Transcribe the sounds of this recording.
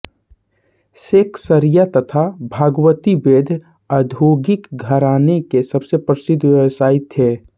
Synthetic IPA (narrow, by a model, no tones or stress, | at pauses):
seːksəɾijat̪ət̪ʰabʱaːɡwət̪ibeːd̪ʱ | əd̪ʱoːɡɪkɡʱəɾaːnekesəbsepɾəsɪd̪ʱʋeəsaːɪt̪ɦeː